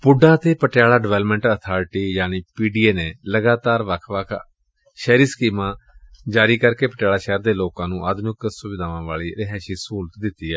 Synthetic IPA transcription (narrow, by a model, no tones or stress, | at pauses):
pʊɖãːt̪eːpəʈjaːɭaːɖɪʋɛːlmə̃ɳʈət̪ʰaːɾɪʈiːjaːniːpiːɖiːeːneːləɡaːt̪aːɾʋəkʰʋəkʰ | ʃɛːɾiːskiːmãːd͡ʒaːɾiːkəɾkeːpəʈjaːlaːʃɛːɾd̪eːloːkãːnũːʔaːd̪mɪksʊʋɪd̪ʱaːʋãːʋaːɭiːɾɪɦɛːʃiːsuːlt̪d̪ɪt̪ːiːɛː